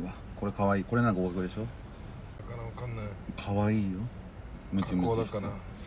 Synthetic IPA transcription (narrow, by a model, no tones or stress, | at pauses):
βa | ko̞ɾe̞kaβaiːko̞ɾe̞naŋkaokakɯ̟d̪eɕo̞ | knːakʰaβaiːjo | mɯt͡ɕimmɯ